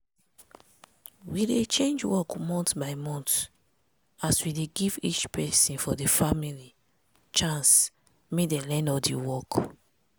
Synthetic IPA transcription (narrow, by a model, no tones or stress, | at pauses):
widet͡ʃẽnd͡ʒwɔkmɔ̃ntbaɪmɔ̃nt | aswideɡivit͡ʃpʰɛsĩnfɔdefamili | t͡ʃãns | medɛlɛ̃nɔdewɔk